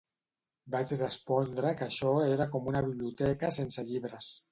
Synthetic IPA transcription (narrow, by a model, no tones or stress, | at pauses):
bat͡ʃrəspɔnd̪ɾəkaʃɔeɾakomunaβiβliut̪ɛkasensaʎiβɾəs